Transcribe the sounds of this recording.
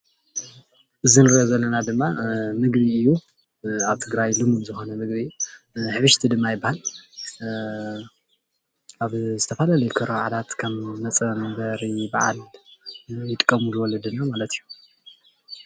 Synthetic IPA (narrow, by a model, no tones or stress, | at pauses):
ʔɨzinɨɾʔozɐlːɐnad̪ɨmːamɨɡbiɨjːu | aβt̪ʰɨɡɾajlɨmubzɨxo̞nɐmɨɡβi | ħɨβɨʃt̪ʰid̪ɨmːajɪbːahal | ʔaβzɨt̪ʰɐfalalɐjukʰɐɾoʕalat̪kʰaβnɐt͡sʼɐmɐbɐɾibaʕa̰l | jɪt̪ʼkʼːɐmulɨwɔlːɐd̪ɨnːamalɐt̪ʰijːu